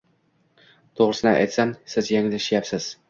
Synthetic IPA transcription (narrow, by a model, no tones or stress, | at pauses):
t̪ʰoʁɾɪsɪnɪʔa̰jt̪samsɪzjaŋlɪʃjapsɪz̥